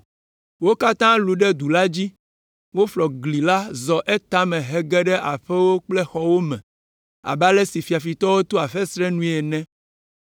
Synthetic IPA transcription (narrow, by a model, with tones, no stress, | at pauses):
wo˦ka˦t̪ã˦lu˨ɖɛ˦d̪u˨la˦d͡ʑi˦ | wo˦flɔ˨ɡli˨la˦zɔ˨ʔe˦t̪a˦mɛ̃˨ɦɛ˨ɡɛ˦ɖɛ˦ʔa˨ɸɛ˦wo˦k͡plɛ˦xɔ˦wo˦mɛ̰̃˨ | a̰˨ba˦lɛ˦si˨fi˨a˨fi˨t̪ɔ˦wo˦t̪o˦a˨ɸɛ˦sɾɛ˦nũ˦ɛ˨nɛ̃˦